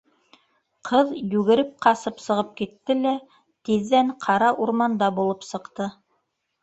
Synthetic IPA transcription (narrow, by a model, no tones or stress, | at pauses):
qʰɤðjʉɣɘ̆ɾɘp̚qɑsɤpsɤ̆ʁɤp̚kit̪ːɘlæ | t̪iðːæɴqʰɑɾɑʔuɾmɑnd̪ɑbulˠɤpsɤ̆qt̪ɤ